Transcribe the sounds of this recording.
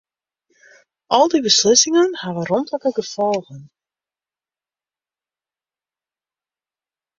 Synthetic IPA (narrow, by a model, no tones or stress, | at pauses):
ʔɔlˠdibəslɪsɪŋənhaʋərɔntləkəɡəfɔlˠɣən